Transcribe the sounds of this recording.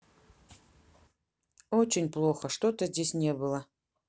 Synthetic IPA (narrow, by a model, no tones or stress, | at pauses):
ot͡ɕɪnʲplˠo̞xəʂt̪o̞t̪əzʲdʲesʲnʲebɨlˠə